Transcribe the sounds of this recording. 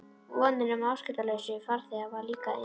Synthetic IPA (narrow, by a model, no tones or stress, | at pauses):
vɔːnɪnʏmawscɪt̪alœɥsʏfaɾ̥θɛavaɾliːka